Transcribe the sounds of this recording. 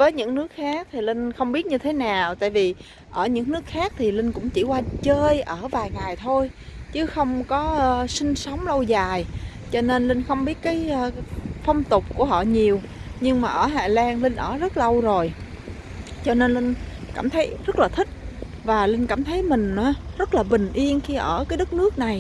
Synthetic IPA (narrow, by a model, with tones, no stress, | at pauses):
vəː˨˦jɲɨ̰˧˥ŋnɨ˦˥ək̚xaː˦˥k̚t̪ʰi˨˩lï˧ŋ̟xə˧wŋ͡mɓi˦˥ət̚ɲɨ˧t̪ʰe˨˦naː˨˩wt̪a̰ː˧˨jvi˨˩ | ʔəː˧˩ɲɨ̰˧˥ŋnɨ˦˥ək̚xaː˦˥k̚t̪ʰi˨˩lï˧ŋ̟kʊ̰˧˥ŋ͡mt͡ɕi˧˩kwaː˧t͡ɕəː˧jʔəː˧˩vaː˨˩jŋaː˨˩jt̪ʰo˧jt͡ɕɨ˨˦xə˧wŋ͡mkɔ˨˦ʔsï˧ŋ̟sə˨˦wŋ͡mlə˧wzaː˨˩j | t͡ɕɔ˧ne˧nli˧ŋ̟xə˧wŋ͡mɓi˦˥ət̚kaː˨˦jʔːfə˧wŋ͡mt̪ʊ˨˩k͡p̚ku˧˩əɦɔ̰˧˨ɲi˨˩əw | ɲɨ˧ŋmaː˨˩ʔəː˧˩ɦa̰ː˨˩laː˧ŋlï˧ŋ̟ʔəː˧˩zə˦˥t̚lə˧wzo˨˩j | t͡ɕɔ˧ne˧nlï˧ŋ̟kaː˧˩mt̪ʰə˨˦jzə˦˥t̚laː˨˩t̪ʰï˦˥k̚ | vaː˨˩lï˧ŋ̟kaː˧˩mt̪ʰə˨˦jmï˨˩ŋ̟ʔaː˨˦zə˦˥t̚laː˨˩ɓï˨˩ŋ̟ʔi˧ənxi˧ʔəː˧˩kaː˨˦jɗə˦˥k̚nɨ˦˥ək̚na˨˩j